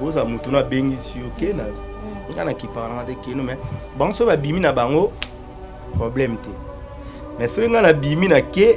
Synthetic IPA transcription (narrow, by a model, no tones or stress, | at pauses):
bozamotonaabeŋɡisijokena | ŋɡanakipaɣanaŋɡatekenomɛ | baŋɡosoabiminabaŋɡo | pʁoblɛmtɛ | mɛsoŋɡanabiminake